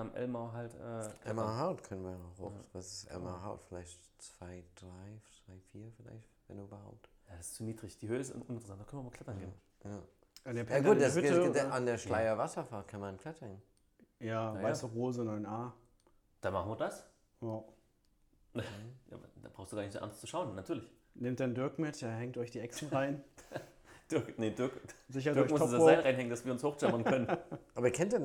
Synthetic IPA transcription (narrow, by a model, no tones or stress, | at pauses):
amʔɛ̰lmaʊɦaltʔɛːkʰlɛmaɦaʊtkʰœnənviːɐaχaʊsv̥asɪsʔɛ̰lmaɦaʊtfɪlaɪçt | t͡sv̥aɪd̥ʁaɪt͡sv̥aɪfiːɐfɪla̰ɪçtvɛnduybɐhaʊp̚tjadsɪ̥st͡suniːdʁɪçd̥iːhøːəɪsɪ̰ntʊnɪntʁəsantd̥akœnviɐmɐkʰl̥ɛtɐnɡeːn | jaː | ʔandeːɐpʰjaaːɡuːtd̥asʏandeːɐʃlaɪɐvasɐfaːtkʰanmankʰl̥ɛtʰɐn | jaːaɪsduʁoːzənɔɪnaː | d̥anmaχn̩viːɐdas | ja | nəja̰dab̥ʁaʊsd̥uɡaɐːnɪçzo̰ʔa̰nst͡suʃaʊnːatʰyːɐlɪç | neːmt̚d̥andʏɐkmɪtd̥ahɛŋtɔɪçd̥iːʔɛksn̩ʁaɪn | d̥ʏknemd̥ʏɐkzɪçɐtɐɔːçmɔaɪnʁaɪnɦɛŋənd̥asv̥iːɐʊnshoːxt͡ʃɛmɐnkʰœnənʔaːbɐiːɐkʰɛntiːɐn